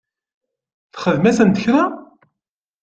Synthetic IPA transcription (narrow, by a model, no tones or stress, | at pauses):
θχəðmæsənt̪əçɾa